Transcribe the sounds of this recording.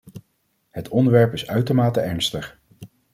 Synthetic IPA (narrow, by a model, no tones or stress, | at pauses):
ɦətʰɔndəɹʋɛɹpɪsœɥtəɹmaːtəʔɛɹnstəχ